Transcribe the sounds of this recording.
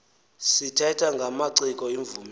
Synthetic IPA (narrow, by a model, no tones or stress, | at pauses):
sitʰɛtʰaŋɡʱamaǀikʼɔiɱvum